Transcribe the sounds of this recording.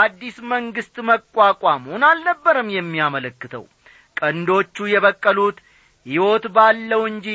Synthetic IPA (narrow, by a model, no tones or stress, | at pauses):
ad̪ːisməŋɡɨst̪məkʼːwakʷʼamhonalnəbːəɾəmjɛmːiamələkːɨt̪ʰə̰w | kʼənd̪o̞t͡ʃːujɛβəkʼːəlut̪ | hiwo̞t̪balːəwɨɲd͡ʒi